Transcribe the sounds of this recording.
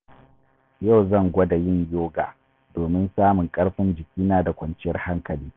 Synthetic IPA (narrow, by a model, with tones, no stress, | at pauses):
ja˦˨wzɐ˦˨ŋɡʷɔ˦da˨jɪ˦˨ɲjoː˦ɡaː˨ | doː˨mɪ˦nsaː˦mʊ˨ŋkʼɐ˦ɽɸɪ˦nd͡ʒɪ˨kʲiː˦naː˦da˨kʷɐ˨nt͡ʃɪ˦jɐ˦rha˦ŋkɐ˨liː˦